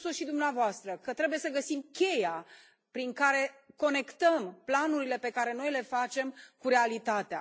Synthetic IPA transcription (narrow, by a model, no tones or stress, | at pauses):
soʃid̪umneavoast̪ɾəkət̪ɾe̞buje̞səɡəsimkʲe̞ja | pɾiŋkaɾe̞ko̞ne̞kt̪əmplanuɾile̞pe̞kaɾe̞no̞jle̞fat͡ʃe̞mkuɾe̞alit̪at̪ea̰